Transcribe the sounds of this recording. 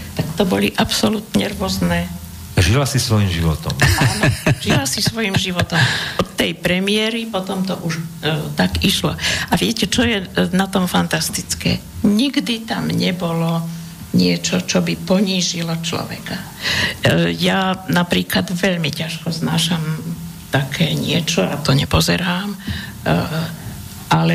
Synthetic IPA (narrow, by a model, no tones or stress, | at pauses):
t̪akt̪ɔbɔliʔapsɔlut̪ɲɛɾʊɔznɛː | ʒilasisʋɔjimʒiʋɔ̰t̪ɔ̰manʒ̥ilasisʋɔjimʒiʋɔt̪ɔmɔt̪ːɛjpɾɛmɪɛɾipɔt̪ɔmt̪ɔʔuʃt̪aɡiʃlɔ̰aʋɪɛcɛt͡ʃɔjɛnat̪ɔmfant̪ast̪it͡skɛ̰ː | ɲiɡd̪it̪amɲɛbɔlɔ | ɲɪɛt͡ʃɔt͡ʃɔbipɔɲiːʒilɔt͡ʃlɔ̰ʋɛ̰ka | janapɾiːklad̪ʋɛʎmicaʃkɔznaːʃam | t̪akʰɛːɲɪɛt͡ʃɔat̪ɔɲɛpɔzɛ̰ɾaːm | ʔalɛ